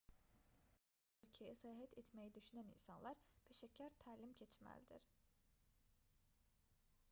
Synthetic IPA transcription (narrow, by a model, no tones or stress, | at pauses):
ylʲcʰejɛsajɦɛt̪ʰet̪mejid̪yʃynænḭnsanlˠaɾpʰeʃæcʰːæɾt̪ʰæːlʲimcʰet͡ʃmæ̰lʲd̪ḭɾ̥